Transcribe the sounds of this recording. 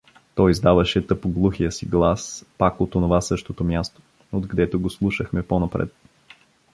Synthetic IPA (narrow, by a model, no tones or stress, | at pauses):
t̪ɔjzd̪avəʃɛt̪ɤpoɡlˠuxijəsiɡlˠaspakot̪onovasɤʃt̪ot̪omʲjast̪o̥ | od̪ɡəd̪ɛt̪oɡoslˠuʃəxmɛponɐpɾɛ̰t̪